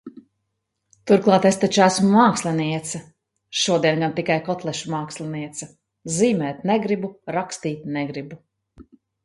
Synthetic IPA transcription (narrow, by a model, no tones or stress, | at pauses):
t̪uɾklˠɑːt̪est̪at͡ʃæsmumaːkslʲˠɛniɛt̪sɐ | ʃuɔd̪iɛnɡant̪ikajkɔt̪lˠɛʃumaːkslʲˠɛniɛt̪sɐ | ziːmɛːt̪nɛɡɾibuɾakst̪iːt̪̚nɛɡɾibu